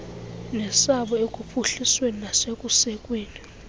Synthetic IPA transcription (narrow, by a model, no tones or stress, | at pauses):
nɛsaɓɔekʼupʰuɬisweninasekʼusɛkʼweːni